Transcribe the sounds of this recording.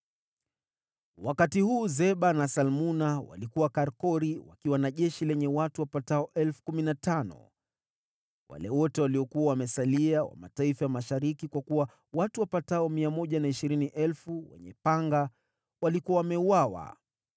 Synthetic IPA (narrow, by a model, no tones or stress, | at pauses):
wakatihuːzɛɓanasalmunawa̰likuwakaɾkɔɾiwa̰kiwanaʄɛʃilɛɲɛwatuwapataɔʔɛlfu̥kuminatanɔ̰ | wa̰lɛwɔtɛwaliɔkuawamɛsaliawa̰ma̰taifajamaʃaɾikikwakuwa | watuwapataɔmiamɔʄanaiʃiɾiniʔɛlfuwɛ̰ɲɛpaŋɡa | walikuawamɛuwawa̰